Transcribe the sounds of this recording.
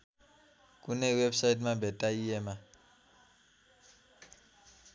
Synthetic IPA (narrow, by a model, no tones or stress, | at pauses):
k̬ʼunɛwebsaitmabʱɛtʼaijɛːma